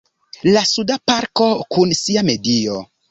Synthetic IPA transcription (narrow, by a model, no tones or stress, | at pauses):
lasudapaɾko̞kunsiame̞dio̞̰